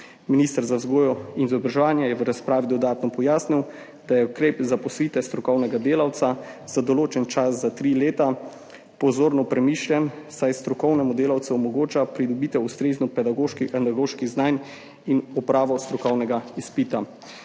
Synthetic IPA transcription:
minist̪əɾzawzɡoːjɔinizɔbɾaʒɛʋaːnjajɛʋəɾaspɾaːʋid̪ɔd̪aːt̪nɔpɔjaːsniw | d̪̥ajɛukɾeːpzapɔsʋiːt̪ɛst̪ɾɔkɔwnɛɡad̪eːlawt̪saz̥ad̪ɔloːt͡ʃɛnt͡ʃaszat̪ɾileːt̪a | pɔzoːɾnɔpɾɛmiːʃlʲjɛnsajst̪ɾɔkɔwnɛmud̪eːlawt̪sɛɔmɔɡoːt͡ʃapɾid̪ɔbiːt̪ɛust̪ɾeːznɔpɛd̪aɡoːʃkixand̪aɡoːʃkiɣznaːn | inɔpɾaːʋɔst̪ɾɔkɔwnɛɡaispit̪a

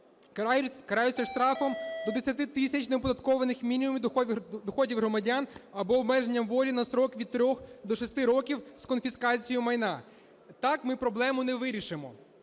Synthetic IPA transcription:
kɐɾɑjʊt͡sʲːɐʂt̪ɾɑfɔmd̪ɔd̪esʲɐt̪ɪt̪ɪsʲɐt͡ʃneɔpɔd̪ɐt̪kɔʋɐnɪxmʲinʲimumʲid̪ɔxɔdʲiwɦɾɔmɐdʲɑnɐbɔːbmɛʒenʲːɐmʋɔlʲinɐsɾɔkʋʲid̪̚t̪ɾʲɔxd̪ɔʃɔst̪ɪɾɔkʲiwskɔnfʲiskɑt͡sʲijʊmɐjnɑ | t̪ɑkmɪpɾɔblˠɛmʊnɛʋɪɾʲiʃɪmɔ

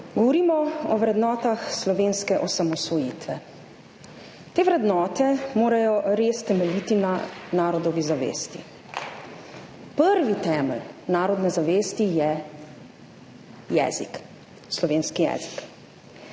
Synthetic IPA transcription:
ɡɔʋɔɾiːmɔɔʋɾɛd̪nɔːt̪axslɔʋeːnskɛʔɔsamɔsʋɔjiːt̪ʋɛ | t̪eːʋɾɛd̪nɔːt̪ɛmoːɾajɔɾeːst̪ɛmɛlit̪inanaːɾɔd̪ɔʋizaʋḛːst̪ḭ | pəɾʋit̪ɛːməlnaːɾɔd̪nɛzaʋeːst̪ijɛ | jɛ̰ːzḭk | slɔʋeːnskijɛ̰ːzi̥k

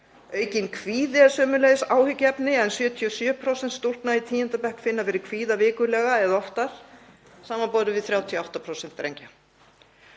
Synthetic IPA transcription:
œːɥcɪnkʰviːðɪasœːmʏlɛðɪsaːwhʏcːɛpnɪɛnsjœːt̪ʰiɔsjœːpʰɾowsɛnt̪st̪ul̥pnait̪ʰiːjɛnt̪apɛhkfɪnːavɛːɾɪkʰviːðavɪːkʏɾlɛːɣaɛðɔft̪aɾ̥ | saːmanpɔːɾʏvɪðθɾjaːwt̪ʰiɔawht̪apʰɾɔwsɛn̥t̪ːɾḛjɲca

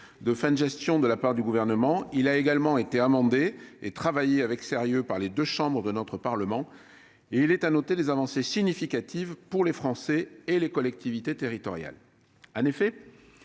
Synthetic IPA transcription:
d̪əfɛ̃nʒɛst̪jɔ̃d̪əlapaʁd̪yɡuvɛʁnəmɑ̃ilaeɡalmɑ̃et̪eamɑ̃d̪eet̪χavajeavɛkseʁjøpaʁled̪øʃɑ̃bʁəd̪ənɔt̪χəpaʁləmɑ̃ | eilɛt̪anɔt̪ed̪ezavɑ̃sesiɲifikat̪ʰivpuʁlefχɑ̃sɛelekɔlɛk̚t̪ʰivit̪et̪eʁit̪ɔ̰ʁja̰l | ɑ̃nefɛ

